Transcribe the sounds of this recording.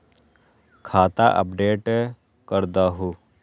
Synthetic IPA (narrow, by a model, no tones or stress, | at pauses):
kʰaːt̪aʔə̰p̚ɖeːʈ | kəɾd̪aːɦuː